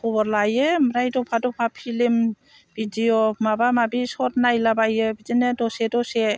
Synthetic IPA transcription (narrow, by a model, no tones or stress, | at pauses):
kɔbɔɾlajemɾajdɔpʰadɔpʰapʰilim | b̥idiɔmabamabisɔtnajlabajebid͡ʒinedɔsedɔse